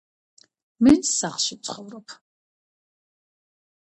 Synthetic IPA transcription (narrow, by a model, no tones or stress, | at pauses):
mɛsaχʃit͡sʰʼχɔvɾɔpʰ